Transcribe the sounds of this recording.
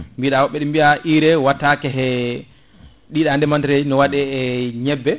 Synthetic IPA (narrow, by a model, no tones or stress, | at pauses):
mbiɗawɔɓːɛɗimbiaʔiɾɛwatːakɛɦɛ | ɗiɗandɛmantiɾed͡ʒinɔwaɗɛɛɲɛbːɛ